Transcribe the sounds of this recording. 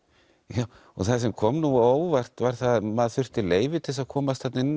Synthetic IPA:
jaw | ɔθasɛmkʰɔmnuoːwvar̥t̪vaɾ̥θaðmaðθʏr̥t̪ɪleːjvɪt̪ʰɪls̬aðkʰɔːmast̪hat̪nɪn

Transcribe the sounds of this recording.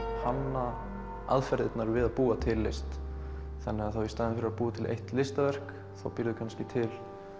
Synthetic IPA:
hanːa | a̰ðfɛɾðɪt̪naɾvɪðaðpuːat̪ʰɪlːɪst̪ | θanːɪɣaðθawist̪aːðɪnfɪɾɪɾapuːat̪ʰɪlʔḛjht̪lɪst̪avɛr̥k | θa̰wpɪɾðʏkʰanscɪt̪ʰɪl

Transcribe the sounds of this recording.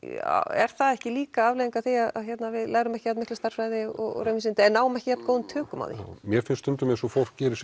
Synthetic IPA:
ɛ̰ɾ̥θaðɛhcɪliːkaavlejiŋkaθiaða̰ðçɛt̪navɪðlaːɣɾʏmɛhcɪat̪mɪhklʏst̪ar̥fɾajðɪɔ̰ɣɔ̰ɾœmɪsɪnt̪ɪɛnːaːwʏmɛhcɪçap̪nkowðʏmt̪ʰœːkʏma̰wθḭmjɛɾfɪnst̪ʏnt̪ʏmɛsɔfol̥kcɛːɾɪs

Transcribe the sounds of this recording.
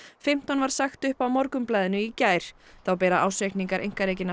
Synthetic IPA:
fɪm̥t̪ɔnvaɾ̥saxt̪ʏhpawmɔɾkʏmplaːðɪnʏicaːjɾ̥θawpɛːɾaʔa̰ːwsejkniŋkaɾʔḛjŋ̥kaɾeːjcɪna

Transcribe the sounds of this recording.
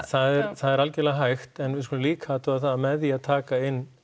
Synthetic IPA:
θaðɛɾθaðɛɾalcɛlaɦajxt̪ɛnvɪskɔlɪliːkʰat̪ʰɪaθaðamɛðjaðt̪ʰaːkaɪnː

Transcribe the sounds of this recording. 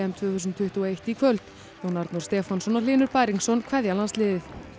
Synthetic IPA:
ɛmt̪ʰvʏːθus̬ʏnt̪ʰʏht̪uɔejht̪ikʰvœlt̪ | ownaɾt̪nuɾ̥st̪ɛːfansɔnɔlɪːnʏɾpaːjɾiŋksɔnkʰvɛðjalanst̪lɪːðɪθ

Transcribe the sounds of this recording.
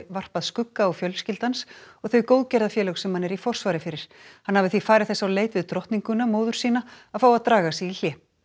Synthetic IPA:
var̥paðskʏkːaːwfjœlscɪlt̪ansɔɣθœɥjkowðcɛɾðafjɛːlœxsɛmhanːɛɾifɔr̥svaːɾɪfɪɾɪɾ̥ | hanhavɪθifaːɾɪðθɛsːawleːjt̪ɪðt̪ɾɔht̪niŋkʏnamoːwðʏɾ̥siːnaaðfaːwaðt̪ɾaːɣasiil̥jɛː

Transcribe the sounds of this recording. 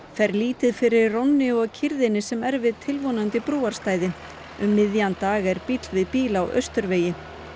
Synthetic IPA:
θɛɾliːt̪ɪðfɪɾɪɾrownːɪɔɣcʰɪɾðɪnɪsɛmɛɾvɪðt̪ʰɪlvɔnant̪ɪpɾuːaɾ̥st̪aːjðɪ | ʏmːɪðjant̪aːɣɛɾpit̪lvɪðpiːlawʔœ̰ɥst̪ʏɾveːjɪ

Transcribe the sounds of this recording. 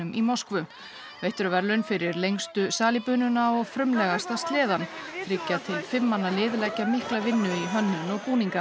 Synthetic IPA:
ʏmʔimɔskvʏ | vejht̪ʏɾʏvɛɾlʏnfɪɾɪɾlejŋst̪ʏsaːlipʏːnʏnaɔɣfɾʏmlɛɣast̪ast̪lɪːðanθʰɾɪcːat̪ʰɪlfɪmːanːalɪːðʏlɛcːamɪhklavɪnːʏiɦœnːʏnɔɣkuːniŋka

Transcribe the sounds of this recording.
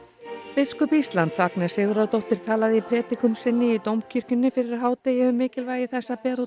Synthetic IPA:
fɪskʏpist̪lant̪saknɛ̥sɪːɣʏɾaðt̪owht̪ɪɾ̥t̪ʰaːlaðɪipʰɾɛːt̪ɪkʏmsɪnːɪit̪owmcʰʏr̥cʏnːʏfɪɾɪɾaɦaːwt̪ejɪʏmːɪːcɪlvaːjɪθɛsːapɛːɾu

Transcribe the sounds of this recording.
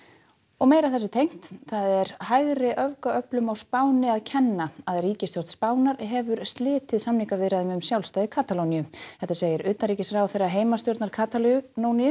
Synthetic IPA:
ɔɣmeːjɾawθɛsʏt̪ʰejŋ̥t̪θaðɛɾhajɣrɪʔœvkaœplʏmawspaːwnɪaðcʰɛnːaaðriːcɪst̪jow̥ɾ̥t̪spaːwnaɾɦɛvʏɾ̥st̪lɪːt̪ɪðsamniŋkavɪðɾaðʏmʏmsjawlst̪ajðɪkʰaːt̪alownijʏθɛht̪aseːjɪɾʏːt̪aɾiːcɪsɾaːwθejrːaɦeːjmast̪jowɾt̪naɾkʰaːt̪alnownijʏ

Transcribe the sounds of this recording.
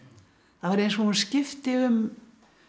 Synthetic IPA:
θaðvaɾejnsvɔhunscɪft̪ɪʏm

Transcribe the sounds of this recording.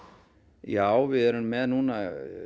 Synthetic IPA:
jaːwvɪðɛɾʏnmɛðnuːna

